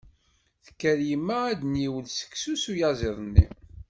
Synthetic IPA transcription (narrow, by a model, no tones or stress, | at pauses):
θə̥kːæɾjimːææd̪njiwəlsə̥ksusujɑzeðˤnːḭ